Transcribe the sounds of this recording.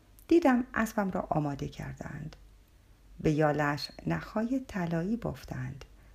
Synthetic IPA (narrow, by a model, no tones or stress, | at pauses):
d̪̥iːd̪æmʔæ̰sbæmɾɒ̰ːʔɒːmɒːd̪e̞cʰæ̰ɾd̪æ̰nd̪̥ | be̞jɒːlæʃnæxɒːjet̪ʰælɒːiːɡoft̪ænd̪̥